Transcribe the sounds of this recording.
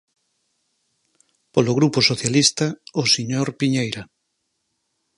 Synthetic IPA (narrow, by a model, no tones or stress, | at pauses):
poloɣ̞ɾuposoθjalist̪aosiɲoɾpiɲejɾa